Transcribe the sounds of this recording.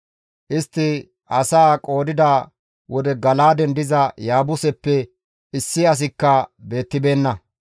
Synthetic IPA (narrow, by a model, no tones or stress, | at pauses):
ʔɪst̪ːɪ | ɐsaːkʼo̞ːd̪ɪd̪a | wɔd̪ɛɡɐlaːd̪ɛnd̪ɪzɐjaːbʊsɛpːɛ | ɪsːɪɐs̬ɪkːɐbe̞ːt̪ːɪbe̞ːnːɐ